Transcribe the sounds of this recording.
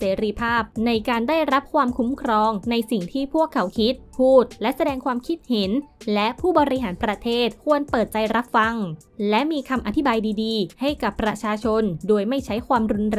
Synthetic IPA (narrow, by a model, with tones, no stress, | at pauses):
seː˩˦ɾiː˧pʰaː˥˩p̚na˧jkaː˧ndaː˥˩jɾa˦˥p̚kʰwaː˧mkʰu˦˥mkʰɾɔː˧ŋna˧jsi˨˩ŋt̪ʰiː˥˩pʰu˥˩əkʰːa˩˦˥wkʰi˦˥t̪̚pʰuː˥˩t̪̚lɛ˦˥ʔsa˧dɛː˧ŋkʰwaː˧mkʰi˦˥t̪̚he˩˦nlɛ˦˥ʔpʰuː˥˩bɔ˧ɾi˦˥ɦaː˩˦npɾa˧t̪ʰeː˥˩t̪̚kʰu˧ənpɤː˨˩t̪̚t͡ɕa˧jɾa˦˥p̚fa˧ŋ | lɛ˦˥ʔmiː˧kʰa˧mʔa˧t̪ʰi˦baː˧jdiː˧diː˧ha˥˩jka˨˩pːɾa˧t͡ɕʰaː˧t͡ɕʰo˧ndoː˧əjma˥˩jt͡ɕʰa˦˥jkʰwaː˧mɾu˧nɾɛ˧